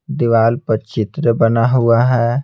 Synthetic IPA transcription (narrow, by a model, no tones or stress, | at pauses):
d̪ɪʋaːlpəɾt͡ʃɪt̪ɾəbɐnaɦʊaɦɛː